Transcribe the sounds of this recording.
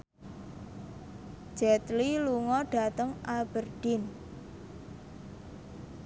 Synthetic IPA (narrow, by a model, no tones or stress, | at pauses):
d͡ʒ̥ɛt̪liluŋɔɖ̥a̤t̪əŋab̥ərɖ̥ɪn